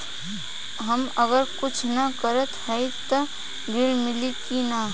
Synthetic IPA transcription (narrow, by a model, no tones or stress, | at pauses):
ɦəməɡəɾkʊt͡ʃʰnakəɾət̪həjt̪o | ɡɪlmɪlikina